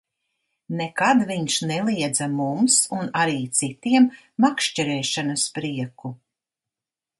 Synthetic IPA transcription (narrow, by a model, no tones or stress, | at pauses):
nekad̪viɲʃnɛlˠiɛd̪zamumsunaɾiːt̪sit̪iɛmː | akʃt͡ʃɛɾɛːʃanɐspɾiɛku